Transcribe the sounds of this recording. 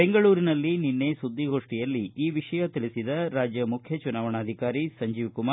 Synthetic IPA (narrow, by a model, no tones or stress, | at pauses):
beŋɡɐɭuːɾinɐlːininːe̞sud̪ːiɡʱo̞ːʂʈijɐlːiiːʋiʂɐjɐt̪iɭisid̪ɐɾaːd͡ʒjɐmukʰjɐt͡ʃunaːʋɐɳaːd̪ʱikaːɾisɐɲd͡ʒiːʋkumaː